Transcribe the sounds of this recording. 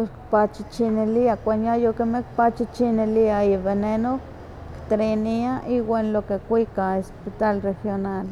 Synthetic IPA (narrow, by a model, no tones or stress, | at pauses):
poɾkpat͡ʃit͡ʃineliakʷanjajokemekpat͡ʃit͡ʃineliaiβeneno | kt̪ɾeniaʔiwʷenlokekʷikaespit̪alrexjonal